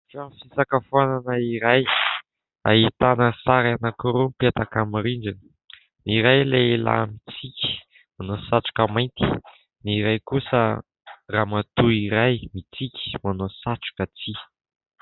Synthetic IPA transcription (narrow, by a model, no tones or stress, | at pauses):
fafisakəfuananəiɾaj | a̰ɦit̪anəsaɾanakuɾumpet̪akamiɾiɳɖ͡ʐinə̥ | niɾajleela̰mit͡sikʲi̥ | manosaʈ͡ʂu̥kəmajnt̪i̥ | niɾajkusə | ramat̪uiɾajmit͡sikʲi̥manosaʈ͡ʂu̥kət͡si